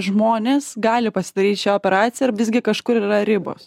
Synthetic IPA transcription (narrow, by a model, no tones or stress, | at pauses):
ʒmoːnʲeːsɡɑːlʲɪpɐsʲɪd̪ɐɾʲiːt̪ʃʲæoːpʲɛɾɑːt̪sʲɪjɛʋʲɪzɡʲɪkɐʃkʊɾiːɾɐɾʲɪbo̰ːs